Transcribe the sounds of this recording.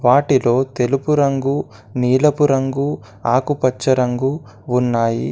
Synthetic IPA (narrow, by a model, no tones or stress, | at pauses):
ʋaːʈilo̞ːt̪e̞lupuɾɐŋɡu | niːlɐpuɾɐŋɡu | aːkupɐt͡ʃːɐɾɐŋɡu | unːaːjḭ